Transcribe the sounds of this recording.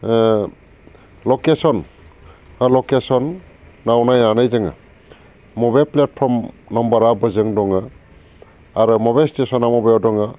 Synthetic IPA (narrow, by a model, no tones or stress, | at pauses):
lokesɔn | lokesɔnː | awnajnanɯjzɯŋa̰ | mɔbajlplet̚pʰɔɾm | nɔmbɔɾabɯzɯŋdɔŋa | aɾɯmɔbajlstesɔnamɔbajɔdɔŋa